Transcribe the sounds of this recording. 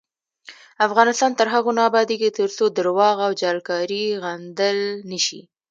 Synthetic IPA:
afɣɑnɪst̪ɑnt̪əɾɦaɣonɑːbɑd̪eɡet̪əɾsod̪əɾwɑɣawd͡ʒɑlkɑɾiɣand̪əlnəʃḭ

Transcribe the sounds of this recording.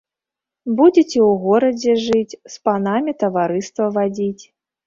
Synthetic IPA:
bud͡zʲɛt͡sʲɛwɣɔɾɐd͡zʲɛʐɨt͡sʲspanamʲit̪ɐvaɾɨst̪vɐvad͡zʲit͡sʲ

